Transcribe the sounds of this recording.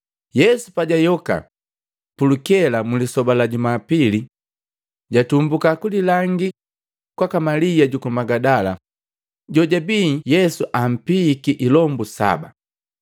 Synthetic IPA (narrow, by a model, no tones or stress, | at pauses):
jɛsupaɟajɔka̰ | pulukɛlamulisɔbalaɟumapili | ɟatumbukakulilaŋɡi | kwakamalijaɟukumaɡadala̰ | ɟɔɟabiːjɛsuʔam̩pikiʔilɔmbusa̰ba̰